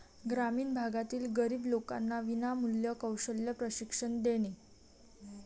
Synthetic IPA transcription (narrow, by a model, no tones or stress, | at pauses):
ɡɾamiːnbʱaɡat̪iːlɡəɾiːbloka̰nːaʋinamuljəkəwɕəljəpɾəɕikʂəɳd̪eɽ̃i